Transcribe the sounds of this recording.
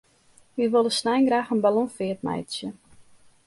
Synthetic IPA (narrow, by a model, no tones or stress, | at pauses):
ʋiʋolˠəsnajnɡɾaːxənbalɔnfɪətmɛ̰jtsjə